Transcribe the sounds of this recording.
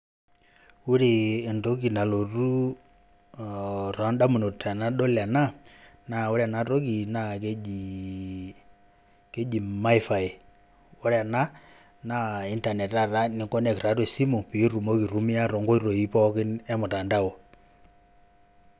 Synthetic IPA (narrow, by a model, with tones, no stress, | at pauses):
u˦ɾeː˨ndo˦ki˨na˨lo˨ru˦ | rɔ˨˦nda˦mu˨no˨ta˨na˦ɗɔ˦la˨na˦na˨o˦ɾa˨na˦ɾo˦ki˨na˦ke˦i˨ | ke˦d͡ʒi˨ma˦i˦fa˨j | o˦ɾa˨na˦ | na˦i˦nta˨nɛ˨ta˦˨ɾa˦nɪ˨˦ŋkɔ˦nɛ˨kɾa˨˦twe˨si˦mo˨pi˨˦ru˨mo˦ki˨ɾu˦mi˦a˦ɾɔ˨ŋɡɔ˦i˦ɾo˨i˦pɔ˦kɪ˦nɛ˦mʊ˨ta˨nda˦o˨